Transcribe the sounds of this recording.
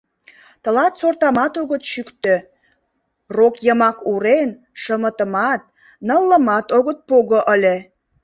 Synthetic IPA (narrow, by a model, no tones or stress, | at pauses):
t̪ə̆lɑt̪sort̪ɑmɑt̪oɣət̪ʃykt̪ø | rokjəmɑkuɾen | ʃəmət̪əmɑt̪̚ | nəlːəmɑt̪oɣət̪̚poɣoʔəlʲe